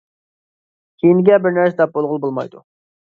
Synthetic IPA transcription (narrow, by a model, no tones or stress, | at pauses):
kʲʰejinɪɡʲɛbɪɾnæɾsɛd̪ɛp̚bolˠʁʊlˠbolˠmɑ̰jd̪u